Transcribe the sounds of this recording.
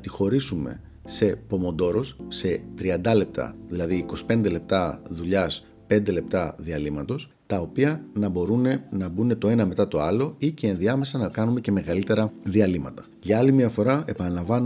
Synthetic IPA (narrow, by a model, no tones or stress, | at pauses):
t̪ixo̞ɾisume̞̰ | se̞po̞mo̞nd̪o̞ɾo̞sse̞t̪ɾiɐnd̪ɐle̞p̚t̪ɐ̰ðilɐðiːko̞si̥pe̞nd̪e̞le̞p̚t̪ɐðuʎɐs | pe̞nd̪ele̞p̚t̪ɐðiɐlimɐt̪o̞s | t̪ɐo̞piɐnɐbo̞ɾune̞nɐbune̞t̪o̞e̞nɐme̞t̪ɐt̪o̞ɐlo̞ice̞ːnðiɐme̞sɐnɐkɐnume̞ce̞me̞ɣɐlit̪e̞ɾɐðiɐlimɐt̪ɐ̥ | ʝɐɐlimiɐfo̞ɾɐe̞pɐnɐlɐɱvɐn